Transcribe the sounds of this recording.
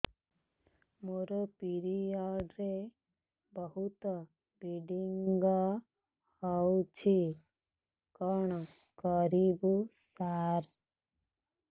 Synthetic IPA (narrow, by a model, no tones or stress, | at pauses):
moɾɔpiɾiɔɖɾe | bɔɦut̪ɔ | biɖiŋɡɔ | hɔwt͡ʃʰi | kɔɳ̃ɔ | kɔɾibusaɾ